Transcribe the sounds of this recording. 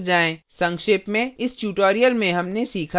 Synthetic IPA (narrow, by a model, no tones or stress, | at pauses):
d͡ʒaːẽsɐ̃ŋkʃɪːpmẽɪsʈuːʈoːɾijəlmẽɦɐmnesiːkʰa